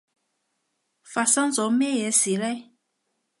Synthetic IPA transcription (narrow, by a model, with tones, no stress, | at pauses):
fa˨sa˦nzɔ˨˦mɛ˦jɛ˨˦si˨lɛ˦j